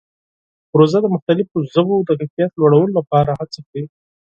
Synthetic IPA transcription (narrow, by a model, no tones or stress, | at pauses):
pɾozad̪əmʊxt̪alɪfozəbod̪əkafijat̪lwaɽawəlolapɑɾahat͡sakɽi